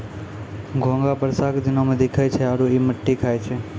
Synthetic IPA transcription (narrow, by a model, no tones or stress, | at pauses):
ɡʱõŋɡabəɾsakd̪inomẽd̪ekʰajt͡ʃʰeaɾuiməʈːikʰajt͡ʃʰe